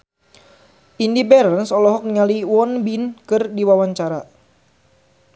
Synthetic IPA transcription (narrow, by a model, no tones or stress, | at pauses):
ʔindibɛɾənsɔlɔɦɔk̚niŋaliwɔnbinkɨrdiwawaɲt͡ʃaɾa